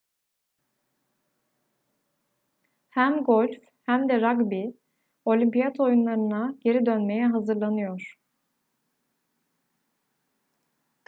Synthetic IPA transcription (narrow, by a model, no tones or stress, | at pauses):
hæmɡo̞lʲf | hæmd̪ɛɾaɡbi | o̞lʲimpijat̪ʰo̞junlˠaɾɯnaɟ̥e̞ɾid̪ønme̞jɛɦazɯɾlˠanɯjo̞ɾ̥